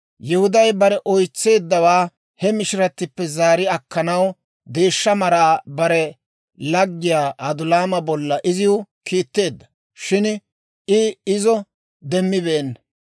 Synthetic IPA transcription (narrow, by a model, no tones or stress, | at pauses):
jɛhʊd̪ɐjbɐɾɛʔɔjt͡sːe̞ːd̪ːɐwaː | hɛmɪʃɪɾɐt̪ːɪpːɛzaːɾɪɐkːɐnɐw | d̪e̞ːʃːɐmɐɾaːbɐɾɛ | lɐɡːɪjaːʔɐd̪ʊlaːmɐbɔlːɐʔɪzɪwʊ | kʰiːt̪ːe̞ːd̪ːɐ̥ | ʃɪn | ʔɪɪzɔ | d̪ɛmːɪbeːnː